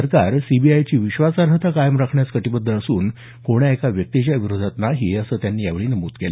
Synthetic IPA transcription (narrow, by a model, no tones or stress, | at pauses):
əɾkaɾsibiajt͡ɕiːʋiɕʋasaɾɦət̪ʰakajəmɾakʰɳjat͡skəʈibəd̪ʱːəəsuːn | koɽ̃jaekaʋjək̚t̪it͡ɕjaʋiɾod̪ʱat̪naɦiːəsəːt̪janːiːjaʋɭiːnəmuːt̪kele